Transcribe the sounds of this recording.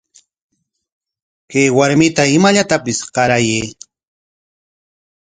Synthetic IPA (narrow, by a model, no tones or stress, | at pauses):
kajwaɾmɪt̪aɪmaʎat̪apɪsqɑɾajej